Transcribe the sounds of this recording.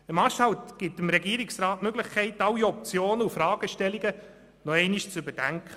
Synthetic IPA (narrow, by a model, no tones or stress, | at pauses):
əmɑʃhɑwt̪ɡ̥ɪtɪmɾɛɡiːɾiksɾɑːtmøɡləχkʰɛɪtɑlːiɔp̚t͡sjoːnəufɾɑːɡ̥əʃtɛliɡə | nɔɛɪniʃt͡sʉbəd̥æŋkʰχə